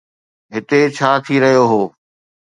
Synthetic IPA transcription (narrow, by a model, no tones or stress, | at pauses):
ɦɪt̪et͡ɕʰaːt̪ʰiɾɐɦijoɦoː